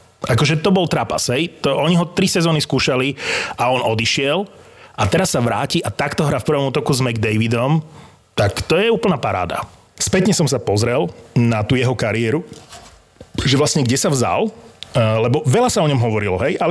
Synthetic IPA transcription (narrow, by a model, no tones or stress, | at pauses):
akɔʒɛt̪ɔbɔlt̪ɾaːpa̰sɦɛjt̪ɔʔɔɲiɦɔt̪ɾisɛzɔːniskuːʃaliʔaɔnʔɔd̪iʃɪɛl | at̪ɛɾasːaʋɾa̰ːciʔat̪akt̪ɔɦɾaːfpr̩ʋɔmuːt̪ɔkuzmɛɡd̪ɛjʋid̪ɔm | t̪akt̪ɔjɛuːpl̩naːpaɾa̰ːd̪a̰ | spɛt̪ɲɛsɔmsapɔzɾɛlnat̪uːjɛɦɔkaɾiɛɾu | ʒɛʋlastɲɛɡɟɛsavza̰l | lɛbɔʋɛlasaɔɲɔmɦɔʋɔɾilɔɦɛjʔalɛ